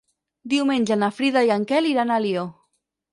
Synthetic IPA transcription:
d̪iwmenʲd͡ʒənafɾiðajaŋkɛliɾanalio

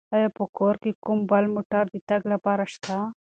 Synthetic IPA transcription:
ɐjapokoːɾkekumbɐlmoʈaɾd̪it̪ɐɡlɐpaɾaʃt̪ʰa

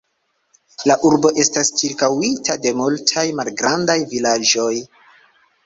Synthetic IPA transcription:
laʔuɾbo̞ʔe̞stast͡ʃiɾkawitʰade̞multʰajmalɡɾandajvilad͡ʒo̞j

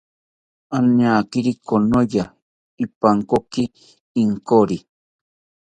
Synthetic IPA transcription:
anaːkiɾikonoja | ipaŋkokiː | ŋkoɾi

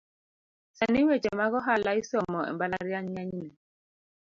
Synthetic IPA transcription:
saniwed͡ʒemaɣɔɦalaisɔmɔɛ̰mbalaɾjaɲɲaɲnɛ

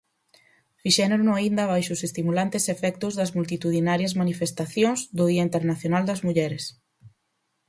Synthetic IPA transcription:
fiʃɛnɾnoaind̪ɐβajʃʊsest̪imulant̪esefɛkt̪ʊzðɐzmult̪it̪uð̞inaɾjɐzmanifest̪aθjõŋzd̪ʊðiɐint̪eɾnaθjonald̪ɐzmuʎɛɾes

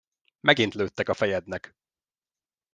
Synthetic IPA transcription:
mɛɡint̪løːt̪ːɛkɒfɛjɛd̪nɛk

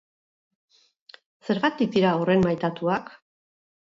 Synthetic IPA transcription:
se̞ɾɣat̪ik̚d̪iɾaore̞nmajt̪at̪uak

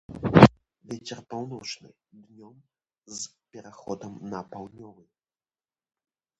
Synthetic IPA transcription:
vʲɛt͡sʲɛrpawnɔt͡ʂnɨ | d̪nʲɔm | zpʲɛɾaxɔd̪ɐmnɐpawnʲɔvɨ

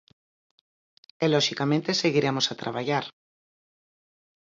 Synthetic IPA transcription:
eloʃikamẽnt̪e̞seɣiɾemosat̪ɾʔa̰βaʝaɾ

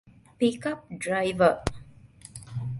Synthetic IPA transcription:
pikap̚dɾajvə

